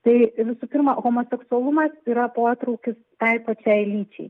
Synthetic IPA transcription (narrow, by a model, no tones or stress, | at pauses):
t̪ɐɪʋʲɪsupʲɪɾmɐɣoːmoːsʲɛksʊɐlˠʊmɐsiːɾɐpoːt̪ɾɐʊkʲɪst̪ɐɪpɐt͡ʃʲɛɪlʲiːt͡ʃʲɛ̰ɪ